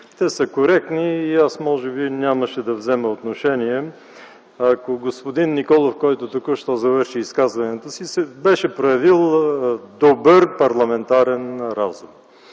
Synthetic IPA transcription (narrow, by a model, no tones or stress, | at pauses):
t̪ɛsəkoɾɛk̚t̪niːasmɔʒɛbinʲaməʃɛd̪ɐvzɛməot̪noʃɛniɛ | ɐkoɡospod̪inːikɔlˠofkɔjt̪ot̪ukəʃt̪ɔzɐvɤɾʃiːskazvɐnɛt̪osisɛbɛʃɛpɾojɐvilˠd̪obəɾpɐɾlˠɐmɛnt̪aɾɛnɾa̰zum